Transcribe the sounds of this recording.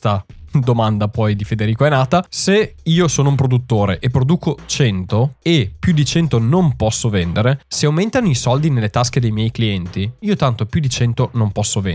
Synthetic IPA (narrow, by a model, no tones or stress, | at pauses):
t̪ad̪omand̪apɔjd̪ifed̪eɾiːkoɛnaːt̪aseiːosoːnoumpɾod̪ut̪ːoːɾeʔepːɾod̪uːkot͡ʃɛnt̪oepːjud̪it͡ʃɛnt̪onompɔsːovɛnd̪eɾeseawment̪anoisɔld̪inelːet̪ask̟ed̪ejmjɛjkliɛnt̪iiːot̪ant̪opjud̪it͡ʃɛnt̪onompɔsːovḛ